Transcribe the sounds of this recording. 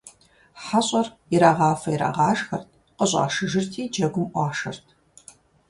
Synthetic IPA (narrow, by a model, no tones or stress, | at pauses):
ħaɕʼɐr | iɾaːʁɑːfɐjɾa̰ːʁɑːʒxɐrtʰ | qəɕʼɑ̰ːʃɨʒɨrtʰiːd͡ʒɐɡʷʊmʔʷɑːʂɐrtʰ